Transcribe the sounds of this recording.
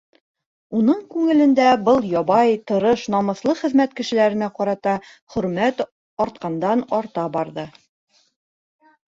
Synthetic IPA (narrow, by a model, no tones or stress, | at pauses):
unɤɴkʉŋɘ̆lɘ̆nd̪æbɤlˠjɒβɑjt̪ɤ̆ɾɤʃnɒmɤ̆θlˠɤχɘ̆ðmæt̪kɘ̆ʃɘ̆læɾɘ̆næqɒɾɑt̪ɑ | χɵ̆ɾmæt̪ | ɒɾt̪̚qɑnd̪ɑnɒɾt̪ɑbɒɾðɤ